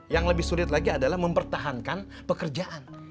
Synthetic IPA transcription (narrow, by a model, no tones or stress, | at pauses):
jaŋləbɪhsulɪt̪̚laɡiadalahməmpərt̪aɦankan | pəkərd͡ʒaʔan